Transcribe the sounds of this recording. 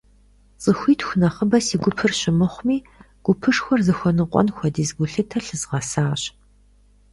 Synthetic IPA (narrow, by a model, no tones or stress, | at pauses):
t͡sʼɨxʷiːtxʷʊnɐχəbɐsiːɡʷʊpʰɨrɕɪmɨχʷʊmiː | ɡ̥ʷʊpʰɨʂxʷɔrzɨxʷɔnɨqʷʼɔ̰nxʷɔdiːzɡʷʊɬɨtʰɐɬɨzʁɐsaːɕ